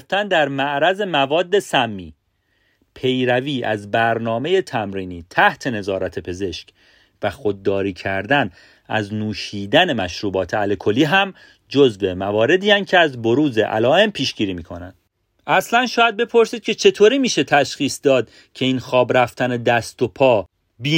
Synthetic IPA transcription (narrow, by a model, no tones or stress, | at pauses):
ft̪ænd̪æɾmæʔɾæze̞mævɒːd̪ːe̞sæmːḭː | pʰe̞jɾæviːʔæ̰zbæɾnɒːme̞je̞t̪ʰæmɾiːniːt̪ʰæht̪ʰe̞ne̞zɒːɾæt̪ʰe̞pʰe̞ze̞ʃc | væxod̪̚ːɒːɾiːcʰæɾd̪æn | æ̰znuːʃiːd̪æne̞mæʃɾuːbɒːt̪ʰe̞ælekʰo̞liːɦæm | d͡ʒozve̞mævɒːɾe̞d̪iːænd̪̚cʰe̞æzbo̞ɾuːzḛʔæ̰lɒːe̞mpʰiːʃɡiːɾiːmiːkʰo̞næ̰nd̥ | ʔæslænʃɒːjæd̪̚be̞pʰo̞ɾsiːd̪̥̚cʰe̞t͡ʃʰe̞t̪ʰoːɾiːmiːʃe̞t̪ʰæʃχiːsd̪ɒːd̪ | cʰe̞iːnxɒːbɾæft̪ʰæned̪æst̪o̞pʰɒː | bi